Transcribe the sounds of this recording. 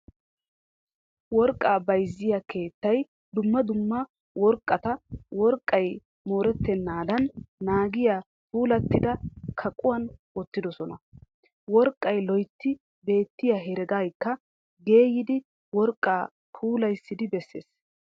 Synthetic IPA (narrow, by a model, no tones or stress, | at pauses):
wɔɾkʼːaːbɐjzːɪjake̞ːt̪ːɐj | d̪ʊmːɐd̪ʊmːɐ | wɔɾkʼːɐt̪ɐwɔɾkʼːɐj | moːɾɛt̪ːɛnːaːd̪ɐnːaːɡɪja | puːlɐt̪ːɪd̪ɐkʰɐkʼʊwɐn | ɔt̪ːɪd̪ɔsɔnɐ | wɔɾkʼːɐjlɔjt̪ːɪ | be̞ːt̪ːɪjaɦɛɾɛɡaːjkːɐ | ɡe̞ːjɪd̪ɪ | wɔɾkʼːaː | pʰuːlɐjsːɪd̪ɪbɛsːe̞̰ːs